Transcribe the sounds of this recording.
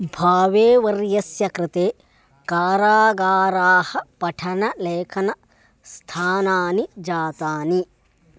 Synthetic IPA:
bʱaːʋeːʋɐɾjɐsjɐkɾɪt̪eː | kaːɾaːɡaːɾaːhɐpɐʈʰɐnɐleːkʰɐnɐ | st̪ʰaːnaːnid͡ʒaːt̪aːni

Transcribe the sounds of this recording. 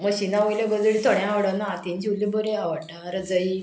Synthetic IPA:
məɕinaʋəjləɡəd͡zəɽit̪ʰɔɽ̃jãaʋɽənaːt̪ind͡ʑilːibəɾeaʋəɽnaɾəd͡zəi

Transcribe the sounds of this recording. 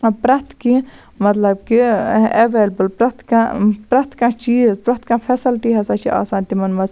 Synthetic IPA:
pɾɐt̪ʰki | mɐt̪lɐbkieʋeːlbəlpɾɐt̪ʰkãpɾɐt̪ʰkãːt͡ʃiːzpɾɐt̪ʰkãpʰesilʈiɦɐsat͡ʃʰiʔa̰ːsaːnt̪imɐnmɐz

